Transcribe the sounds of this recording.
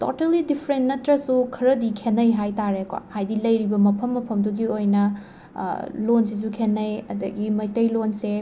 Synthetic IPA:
to̰telidipʰɾentnɐtɾɐsukʰɐɾɐdikʰenɐjɦajtaɾekwa̰hajdilɐjɾibɐmɐpʰɐmːɐpʰɐmduɡiojnɐ | lonsis̬ukʰenːɐjɐ̰dɐɡimɐjtɐjlonse

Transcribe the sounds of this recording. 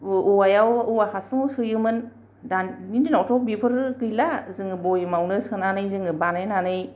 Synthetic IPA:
uajawuwahasuŋsɯjɯmɯn | dannindinatʰɔbipʰɯɾɡɯjlazɯŋɯbɔjmawnɯsɯnanɯjzɯŋɯbanajnanɯj

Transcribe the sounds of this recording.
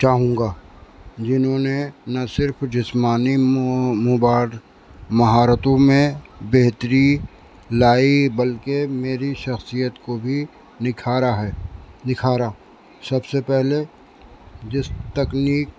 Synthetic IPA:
t͡ʃaːɦũːŋɡaːd͡ʒɪnɦõnenɐsɪɾfʰd͡ʒɪsmaːnimobaːl | mɐɦaːɾət̪õmẽbeɦt̪ɾi | laːibɐlkemeːɾiʃɐxsijət̪kobʱi | nɪkʰaːɾaɦɛːnɪkʰaːɾaː | sɐbsepɛɦle | d͡ʒɪst̪ɐkniːk̚

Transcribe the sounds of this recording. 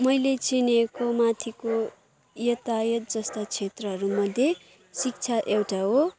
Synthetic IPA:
mʌjlet͡sinekomat̪ʰiko | jʌt̪ajʌt̪̚d͡zʌst̪at͡sʰet̪rʌɦʌɾumʌd̪ʱje | sik̚t͡sʰaʔewʈaɦo

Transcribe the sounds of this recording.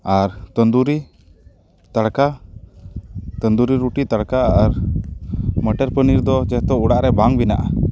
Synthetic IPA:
aɾt̪ənd̪uɾi | t̪aɽka | t̪ənd̪uɾiɾuʈit̪aɽkaːɾ | məʈɛɾpəniɾd̪ɔd͡ʒɛɦt̪ɔuɽaʔɾɛbaŋbina̰ʔa

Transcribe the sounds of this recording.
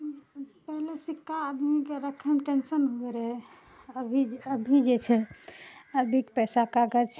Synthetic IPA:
pɛɦlesikːaːd̪mikeɾəkʰəmʈensənɦoɡeɾɛ | əbʱiəbʱid͡ʒet͡ʃʰɛ | əbʱikpɛsakaɡət͡ʃʰ

